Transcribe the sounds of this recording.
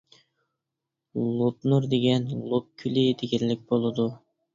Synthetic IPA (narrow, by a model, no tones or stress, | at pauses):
lˠupnuɾd̪eɡʲɛnlˠup̚kʲʰylɪd̪eɡʲɛɾlɪk̚ʲbolˠɨd̪u